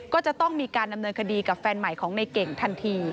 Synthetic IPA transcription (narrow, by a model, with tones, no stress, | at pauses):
kɔː˥˩t͡ɕa˨˩t̪ɔ˥˩ŋmiː˧kaː˧nda˧mnɤː˧nkʰa˧diː˧ka˨˩p̚fɛː˧nma˨˩jkʰɔː˩˦ŋna˧jke˨˩ŋt̪ʰa˧nt̪ʰiː˧